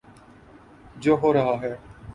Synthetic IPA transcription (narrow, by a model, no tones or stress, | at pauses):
d͡ʒoːɦoːɾəɦaːɦɛː